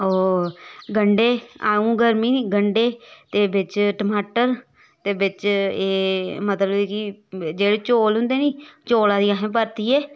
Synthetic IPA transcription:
oːɡəɳɖeːaːũːɡəɾmiːniːɡəɳɖeːt̪eːbɪt͡ʃʈəmaːʈəɾ | t̪eːbɪt͡ʃeːmət̪ləbkid͡ʒeːɽeːt͡ʃoːlɦʊ̃nd̪eːniːt͡ʃoːlãːd̪iːaɦẽːp̬əɾt̪iːɛː

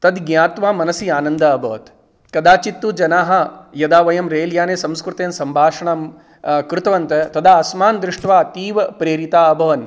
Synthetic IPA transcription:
t̪ɐd̪ɡɲaːt̪ʋaːmɐnɐsiaːnɐnd̪ɐɐbʱɐːt̪ | kɐd̪aːt͡ʃit̪ːud͡ʒɐnaːɦɐ̆jɐd̪aːʋɐjɐmɾeːljaːneːsɐmskɾut̪eːnsɐmbʱaːʂɐɳaːm | kɾut̪ɐʋɐnt̪ɐt̪ɐd̪ʰaːɐsmaːnd̪ɾuʂʈʋaːɐt̪iːʋɐpɾeːɾit̪aːɐbʱɐʋɐn

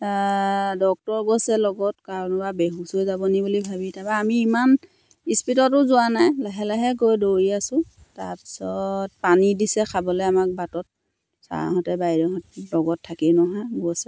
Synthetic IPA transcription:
dɔk̚tɔɹɡosɛlɔɡɔtkaɹɔnɔbabeɦusuzabɔnibulibʱabitʰabaːmiːman | ispitɔtʊzʊwanajlɛɦɛlɛɦɛɡojdoɹiasʊ̃ | ta̰ɹpi̥sɔt̚panidisɛkʰabɔlojamak̚batɔt̚ | sa̰ɦɔtɛbajɹɔɦɔtlɔɡɔtʰːakinɔɦaɡosɛ

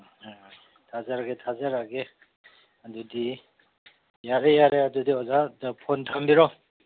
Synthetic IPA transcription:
tʰazaɾaɡetʰazaɾaɡe | adudi | jaɾejaɾeadudiɔzapʰɔntʰambiɾɔ

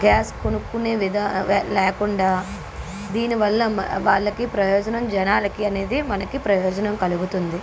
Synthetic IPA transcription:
ɡaːskonukːuneːʋid̪ɐlɛːkuɳɖaː | d̪iːniʋɐlːɐʋaːɭːɐkipɾɐjɔːd͡ʒɐnɐmd͡ʒɐnaːlɐkiɐne̞ːd̪imɐnɐkipɾɐjɔːd͡ʒɐnɐmkɐluɡut̪und̪i

